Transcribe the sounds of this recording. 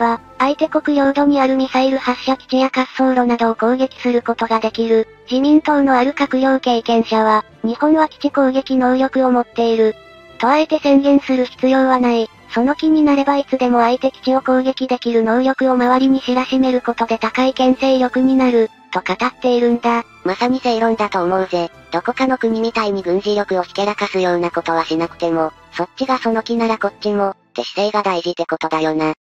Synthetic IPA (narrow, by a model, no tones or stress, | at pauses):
βa | ait̪e̞ko̞kɯ̟jo̞ːd̪o̞ɲ̟iaɾɯ̟m̟isaiɾɯ̟haɕːakʲi̥t͡ɕijakasːo̞ːɾo̞nad̪o̞ːko̞ːɡe̞kʲi̥sɨɾɯ̟ko̞t̪o̞ɡad̪e̞kʲiɾɯ̟ | d͡ʑimʲĩnt̪o̞ːno̞aɾɯ̟kakɯ̟jo̞ːke̞ːkẽ̞ɰ̃ɕaβ̞a | ɲ̟ihõ̞ɰ̃βakʲi̥t͡ɕiko̞ːɡe̞kʲino̞ːjʲo̞kɯ̟o̞mo̞t̪ːe̞iɾɯ̟ | t̪o̞aet̪e̞sẽ̞ŋɡẽ̞ɰ̃sɨɾɯ̟çi̥t͡sɨjo̞ːβ̞anai | so̞no̞kʲiɲ̟inaɾe̞bait͡sɨd̪e̞mo̞ait̪e̞kʲi̥t͡ɕio̞ko̞ːɡe̞kʲid̪e̞kʲiɾɯ̟no̞ːjo̞kɯ̟o̞maβaɾʲiɲ̟iɕiɾaɕime̞ɾɯ̟ko̞t̪o̞d̪e̞t̪akaikẽ̞ɰ̃se̞ːjo̞kɯ̟ɲ̟inaɾɯ̟ | t̪o̞kat̪at̪ːe̞iɾɯ̟nd̪a | masamʲise̞iɾõ̞nd̪at̪o̞ːmo̞ɯ̟ze̞ | d̪̥o̞ko̞kano̞kɯ̟ɲ̟imʲit̪aiɲ̟iɡɯ̟̃ɲ̟ʑiɾjo̞kɯ̟o̞çʲi̥ke̞ɾakasɨjo̞ːnako̞t̪o̞βaɕinakɯ̟̥t̪e̞mo̞so̞tt͡ɕːɕiɡaso̞no̞kʲinaɾako̞tt͡ɕːimo̞d̪̥e̞ɕi̥se̞ːɡad̪aiʑid̪e̞ko̞t̪o̞d̪ajo̞ːna